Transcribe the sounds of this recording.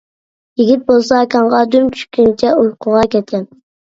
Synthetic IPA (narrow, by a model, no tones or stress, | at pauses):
jeɡʲit̪̚bolˠsɑkʰʲɑɴʁɑd̪ymt͡ʃʲʰy̥ʃkʲynt͡ʃʰɛulˠqʰʊʁɑkʲɛt̪̚kʲɛn